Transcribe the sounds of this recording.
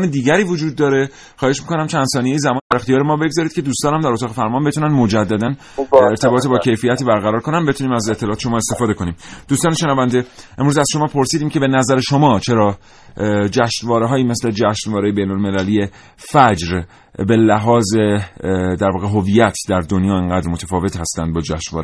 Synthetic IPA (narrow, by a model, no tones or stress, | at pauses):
ned̪iːɟæɾiːvod͡ʒuːd̪̚ːɒːɾe̞ | xɒːe̞ʃmiːko̞næmt͡ʃʰænd̪sɒːnijejizæmɒːnid̪æɾe̞xt̪ijɒːɾemɒːbe̞ɡzɒɾid̪̥cʰed̪uːst̪ɒːnhæmd̪æɾot̪ɒːɣefæɾmɒːnbet̪ʰunænmo̞d͡ʒæd̪ːæd̪æn | eɾt̪ʰe̞bɒːt̪ebɒːcʰe̞jfijæt̪ʰiːbæɾɣæɾɒːɾkʰo̞nænbeuniːmæzet̪ʰːelɒːt̪e̥ʃo̞mɒːest̪e̞fɒːd̪e̞kʰo̞niːmd̪̥uːst̪ɒːneʃe̞nævænd̪eʔemɾuːzæzʃo̞mɒːpʰo̞ɾsiːd̪iːmcʰe̞be̞næzæɾeʃo̞mɒːt͡ʃʰe̞ɾɒː | d͡ʒæʃnvɒːɾeɦɒːjiːme̞sle̞d͡ʒæʃnvɒːɾejebe̞jnolme̞lælije | fæd͡ʒɾ | be̞læɦɒːzed̪æɾvɒːɣeɦoviːjæt̪ʰd̪æɾd̪o̞njɒːeŋɡæːd̪ɾmot̪ʰæfɒːve̞t̪hæst̪ænd̪̚bɒːd͡ʒæʃnvɒ̰ːɾe